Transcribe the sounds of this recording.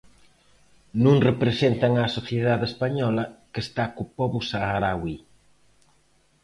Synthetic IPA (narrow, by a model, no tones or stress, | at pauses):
nũŋrepɾesent̪aŋasoθjeðaðespaɲɔlɐkest̪akupɔβʊsaɣaɾawi